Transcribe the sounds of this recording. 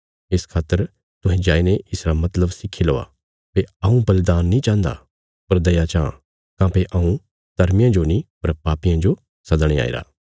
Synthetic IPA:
ɪskʰaːt̪ːəɾ | t̪ʊɦɛ̃d͡ʒaːineɪsɾamɐt̪ləbsɪkʰːiloːa̰ | peɐũbɐlɪd̪aːnːĩt͡ʃãːnd̪a̰ | pɐɾd̪ɐjat͡ʃãː | kãːpeʔɐũ | t̪ɐɾmɪjãd͡ʒonĩpɐɾpaːpijãd͡ʒo | sɐd̪ɽ̃ea̰ːḭɾa̰ː

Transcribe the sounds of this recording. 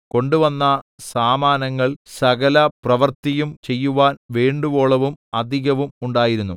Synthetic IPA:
ko̞ɳɖuʋɐnːɐsaːmaːnɐŋːɐɭsɐɣɐlɐprɐʋɐrt̪ijumt͡ɕe̞jːuʋaːnʋeːɳɖuʋo̞ːɭɐʋumɐd̪ʱiɣɐʋumuɳɖaːjiɾunːu

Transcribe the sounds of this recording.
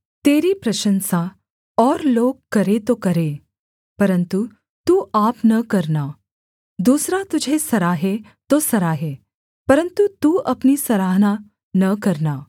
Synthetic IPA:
t̪eːɾiːpɾɐɕənsa | ɔːɾloːɡkːɐɾet̪okəɾe | pəɾənt̪u | t̪uːʔaːpnəkəɾna | d̪uːsɾat̪ud͡ʑʱesɐɾaɦe | t̪osɐɾaːɦe | pəɾənt̪ut̪uːɐpniːsɐɾaːɦna | nəkəɾna

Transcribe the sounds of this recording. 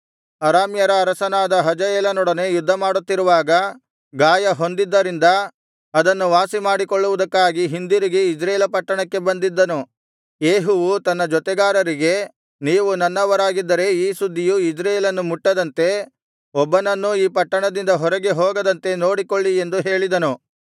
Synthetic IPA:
ɐɾaːmjɐɾɐːɾɐsɐnaːd̪ɐɦɐd͡ʒɐjɛːlɐnɔɽɐne̞jud̪ʱːɐmaːɽut̪ːiɾuʋaːɡɐ | ɡaːjɐɦond̪id̪ːɐɾind̪ɐ | ɐd̪ɐnːuʋaːsimaːɽikoɭːuʋud̪ɐkːaːɡiɦind̪iɾiɡeid͡ʒɾɐjeːlɐpɐʈːɐɳɐkːe̞bɐnd̪id̪ːɐnu | jeːɦuʋut̪ɐnːɐd͡ʒɔt̪ɛɡaːɾɐɾiɡe̞ | niːʋunɐnːɐʋɐɾaːɡid̪ːɐɾe̞iːsud̪ʱːijuid͡ʒɾɐjeːlɐnːumuʈːɐd̪ɐnt̪e̞ | ɔbːɐnɐnːuiːpɐʈːɐɳɐd̪ind̪ɐɦɔɾɐɡe̞ɦɔːɡɐd̪ɐnt̪e̞no̞ːɽikoɭːie̞nd̪uɦe̞ːɭid̪ɐnu

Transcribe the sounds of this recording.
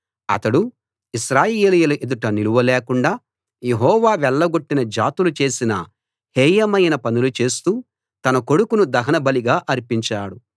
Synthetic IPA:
ɐ̰t̪ɐɽu | iʃɾaːjeːlijɐluʔed̪uʈɐniluʋɐlɛːkuɳɖaː | je̞ɦɔːʋaːʋɛɭːɐɡo̞ʈːinɐd͡ʒaːt̪ulut͡ʃe̞ːsinɐ̰ | heːjɐmɐjnɐpɐnulut͡ʃe̞ːst̪uː | t̪ɐnɐko̞ɽukunud̪ɐɦɐnɐbɐliɡaːʔɐɾpiɲt͡ʃaːɽu

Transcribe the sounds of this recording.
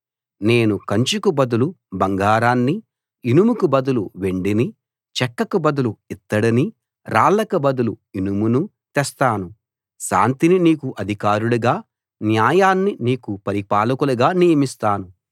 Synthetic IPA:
ne̞ːnukɐɲt͡ʃukubɐd̪ulubɐŋɡaːɾaːnːi | inumukubɐd̪uluʋe̞ɳɖini | t͡ʃɛkːɐkubɐd̪uluit̪ːɐɽini | ɾʔaːlɐkɐbɐd̪uluinumunu | t̪ɛst̪aːnu | ʃa̰ːnt̪ininiːkuʔɐd̪ʱikaːɾuɭuɡaː | njaːjaːnːiniːkupɐɾipaːlukuluɡaːnijɐmist̪aːnu

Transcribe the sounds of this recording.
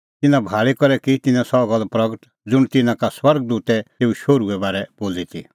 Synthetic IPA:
t̪ɪnãbʱaːɭikɔɾɛkit̪ɪnãsɔɡəlpɾɐɡəʈ | d͡zʊɽ̃t̪ɪnãkaswɐɾɡ̚d̪uːt̪ɛt̪eːuʃoːɾuɛbaːɾɛboːlit̪ʰḭ

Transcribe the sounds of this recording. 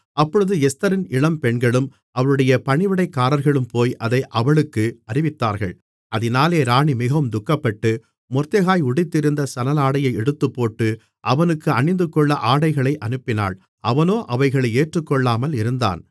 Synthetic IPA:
ɐpːɔɻɯðɯɛst̪ɐɾɪnɪɭɐmpɛɳɡɐɭɯm | ʔɐʋɐɭɯɽɐjɐpɐɳɪʋɪɽɐɪkːaːɾɐɾɣɐɭɯmpoːjʔɐðɐɪʔɐʋɐɭɯkːɯɐɾɪʋɪt̪ːaːɾɣɐ̰ɭ | ʔɐðɪnaːleːɾaːɳimɪɣɐʋɯmd̪ʊkːɐpːɐʈːɯ | mɔɾt̪ɐɣaːjʊɽɪt̪ːɪɾɯnd̪ɐsɐnɐlaːɽɐjɐɪɛɽɯt̪ːɯpːoːʈːɯ | ʔɐʋɐnɯkːɯɐɳɪnd̪ɯkːɔɭːɐʔaːɽɐɪɣɐɭɐɪʔɐnɯpːɪna̰ːɭ | ʔɐʋɐnoːʔɐʋɐɪɣɐɭɐɪeːʈrɯkːɔɭːaːmɐlɪɾɯnd̪a̰ːn

